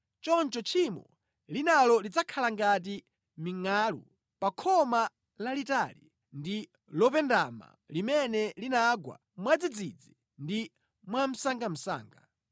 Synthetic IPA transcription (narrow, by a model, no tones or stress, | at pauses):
t͡ʃɔnt͡ʃɔt͡ʃʰimɔ̰ | linalɔlid͡zakʰalaŋɡat̬i | miŋaːlṵ | pakʰɔma | lalitali | ndi | lɔpɛndama̰ | limɛnɛlinaɡwa̰ | mwad͡zid͡zid͡zi | ndi | mwam̩saŋɡam̩sa̰ːŋɡa